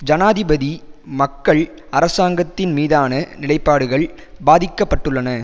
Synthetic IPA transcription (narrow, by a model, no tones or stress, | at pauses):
d͡ʒɐnaːðɪbɐðimɐkːɐɭ | ɐɾɐsaːŋɡɐt̪ːɪnmiːðaːnɐnɪɭɐɪpːaːɽɯɣɐɭ | baːðɪkːɐpːɐʈːɯɭːɐnɐ